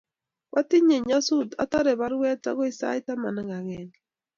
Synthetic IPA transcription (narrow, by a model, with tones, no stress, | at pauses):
wʔa˦ti˦ɲe˨ɲa˦su˦da̰˨ta˦ɾe˨βaɾwɛ˦ta̰˦ɣo˦i˦˨sa̰˦i˦ta˦ma˨naɣa˨ɣɛni